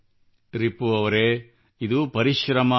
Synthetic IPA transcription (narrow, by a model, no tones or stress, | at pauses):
ɾipːuɐʋɐɾe | id̪upɐɾiʃɾɐmɐ